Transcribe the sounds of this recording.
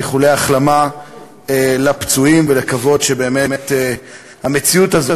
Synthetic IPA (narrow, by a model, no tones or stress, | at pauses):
eχuleaχlama | elapt͡suimvelekavo̞dʃebeːmemete | hame̞t͡siutaz